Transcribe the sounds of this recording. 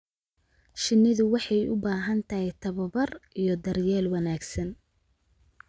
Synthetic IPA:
ʃɪnːɪðʊwɑħɑjʊ̰baːɦɐnt̪ʰɐɦɛt̪ʰɐβɐbɐrʔijɞd̪ɐrjɛːlwɑnaːɡsɐn

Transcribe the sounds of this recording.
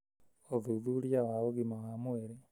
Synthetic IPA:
oðuðulijawaoɣimaɣamweɾe

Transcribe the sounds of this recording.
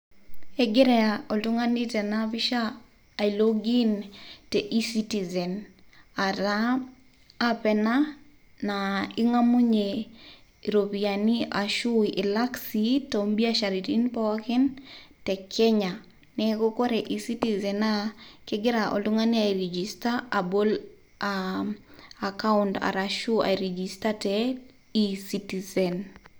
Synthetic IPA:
eɡɪɾeaɔlʊŋanitɛnabiʃaː | iloɡintɛʔisitizɛnaɾaː | pɛna | naɪŋamuɲe | ɾobianiaʃuiʔɪlaksitombiaʃaɾitinpɔkɪntɛkʰɛɲa | nɛkokoɾɛʔisitizɛnakɪɡɪɾaʔɔ̰luŋaniaiɾɛd͡ʒistaːbol | a | akaʊnta̰ɾaʃua̰ɾɛd͡ʒistatɛ | isitizɛn

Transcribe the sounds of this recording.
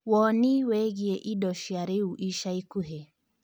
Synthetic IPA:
wɔniwɛɣiɛʔiɗɔʃiaɾeuʔiʃaikuɦɛ

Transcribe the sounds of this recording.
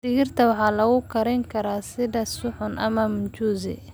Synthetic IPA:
dɪɣɪrt̪ʰɐwɑħɑːlɐɣʊkʰɐɾɛŋkʰɐɾaːsɪðɐsʊħʊnʔɐ̰mɐmʊt͡ʃuːzɪ̰

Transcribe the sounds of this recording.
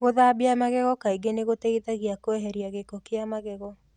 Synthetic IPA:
ɣoðabiamaɣɛɣɔkaiɡeneɣotɛitaɣiakoɛɦɛɾiaɣekɔkeamaɣɛɣɔ

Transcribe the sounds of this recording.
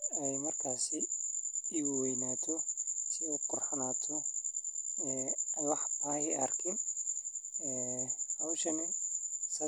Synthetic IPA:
ɛjmɐrkʰaːsɪ | iwwɛjnaːt̪ʰɔsɪɛqʊrħanaːt̪ʰɔ | ɛːwɑħt̪ʰaːhɪɐ̰rkʰɪn | ɛːhɐwʃɐnɛsɐ

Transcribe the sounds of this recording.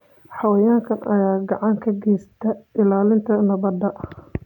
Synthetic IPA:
ħɑwɐjaːŋkʰɐnɐjaːɡɑʕɑŋkʰɐɡɛjst̪ʰɐʔɪlaːlɪnt̪ʰɐnɐβɐd̪ɐ

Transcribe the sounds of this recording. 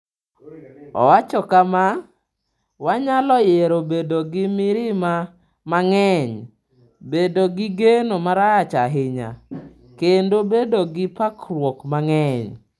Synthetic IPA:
ɔ̰wat͡ʃɔkama | waɲalɔjeɾobedoɡɪmɪɾɪma | maŋɛɲ | bedoɡɪɡenomaɾaat͡ʃaɦɪɲa̰ | kendobedoɡɪpakrwokmaŋɛɲ

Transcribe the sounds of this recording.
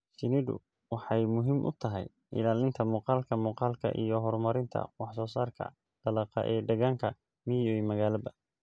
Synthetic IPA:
t͡ʃɪnɪdʊ̰ | wɑħɑjmʊɦɪmʔʊ̰t̪ʰɐɦɛ̰j | ʔɪ̰laːlɪnt̪ʰɐmuːqɑːlkʰɐmuːqɑːlkʰɐ̰ʔḭjɞɦɔrmɐɾɪnt̪ʰɐ̰wɑħsɔːsaːrkʰɐ̰ | ɖ̥ɐlɑːqɐ̰ʔɛːɖɐɣaːŋkʰɐ | miɔjmɐɣaːlɐbɐ

